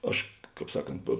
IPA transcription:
ˈɐʃ ˈkɑːp ˈsɑːˌkɐnt poː

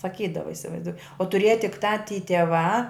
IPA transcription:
sɐˈkʲiːdɐʋɐ ɪsʲɪʋɐɪzˈduɔ oː tʊˈrʲeːjɛ tʲɪk ˈtɑː tʲiː tʲɛˈʋɑː

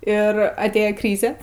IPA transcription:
ɪr ɐtʲˈeːjɛ ˈkrʲiːzʲɛ

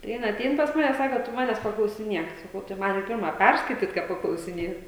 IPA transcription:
tɐɪ ˈjɪn ɐˈtʲɛɪn pɐs ˈmɑːnʲɛ ˈsɑːkoː tʊ ˈmɑːnʲɛs pɐklˠɐʊsʲɪˈnʲiɛk sɐˈkɐʊ tɐɪ ˈmɐn ɪ ˈpʲɪrmɐ ˈpʲærskɐɪtʲiːt kɑː pɐklˠɐʊsʲɪˈnʲeːt

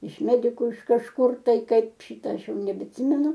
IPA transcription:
ɪʃ ˈmʲæːdʲɪkʊ ɪʃ kɐʃˈkʊr ˈtɐɪ ˈkɐɪp ˈʃʲɪtɐ ˈɐʃ ˈjɛʊ nʲɛbʲɛɐtʲˈsʲɪmʲɛnʊ

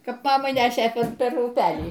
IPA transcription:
ˈkɐp ˈmɑːmɐɪ ˈnʲæːʃʲeː ˈpʲɛr pʲɛr ʊˈpʲæːlʲiː

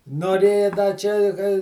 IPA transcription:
noːˈrʲeːjɛ dɐ ˈt͡ʃʲɛ ɪ kɐ

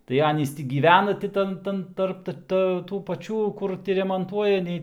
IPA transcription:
tɐɪ ˈɑːnʲiːs ˈtʲiː ɡʲiːˈʋʲæːnɐ tʲɪ ˈtɐn ˈtɐn ˈtɐrp tɐ tuː pɐˈt͡ʃʲuː ˈkʊr tʲɪ rʲɛmoːnˈtuɔjɛ ˈnʲɛɪ

